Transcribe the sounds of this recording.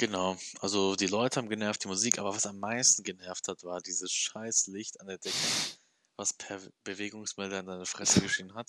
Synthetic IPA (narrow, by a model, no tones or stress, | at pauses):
ɡ̥ənaʊʔalzodiːlɔʏtəhaːbm̩ɡənɛɐft̚d̥iːmuziːkʔaːbɐvasamːaɪstn̩ɡənɛɐfthatv̥aːɐdiːzəsʃaɪslɪçtandeːɐdɛkʰə | vaspʰɛb̥əveːɡʊŋsmɛldəanzaɪnəfʁ̥ɛsəɡəʃeːənɦat